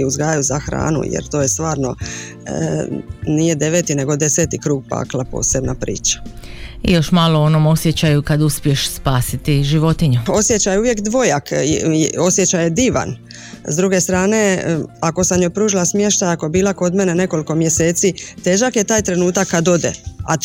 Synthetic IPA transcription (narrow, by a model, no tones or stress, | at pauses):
iuzɡaːjajuzaxɾa̰ːnṵjḛɾt̪o̞ːje̞st̪ʋaːɾno̞ | nije̞d̪e̞ʋet̪ine̞ɡo̞d̪ese̞t̪ikɾuːɡ̚pa̰ːklˠapo̰ːse̞bnapɾḭːt͡ʃḁḭjo̞ʃmaːloonoːmo̞sjet͡ɕajukad̪uspieʃspaːsit̪iʒiʋo̞t̪iɲuo̞sje̞t͡ɕajeuʋje̞kd̪ʋo̞jak | o̞sje̞t͡ɕajed̪iːʋa̰n | zd̪ɾuɡe̞st̪ɾaːne̞ako̞samjojpɾuːʒilasmjeʃt̪ajako̞jebiːlako̞d̪me̞ne̞ne̞ko̞liko̞mje̞se̞ːt̪sit̪e̞ːʒakjet̪aːjt̪ɾe̞nuːt̪akːad̪o̞d̪ḛa̰